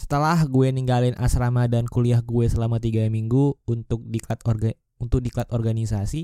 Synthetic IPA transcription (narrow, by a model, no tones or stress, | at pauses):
sə̥t̪əlahɡuɛniŋɡalɪnʔa̰sɾamadankuliahɡuɛsəlamat̪iɡamiŋɡuunt̪ʊk̚dikat̪ | unt̪ʊk̚diklat̪ɔrɡanisasi